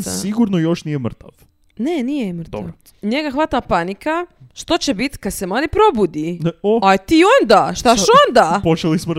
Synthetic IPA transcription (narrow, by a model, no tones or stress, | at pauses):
siɡuɾnojo̞ʃnijemr̩t̪aʋ | nenijemɾ̩t̪aɾ | ɲe̞ɡaxʋat̪apanikaʃt̪o̞t͡ɕebit̪kad̪semlaːd̪ipɾo̞bud̪ioat̪iːond̪aʃt̪aʃo̞nd̪apot͡ʃelismo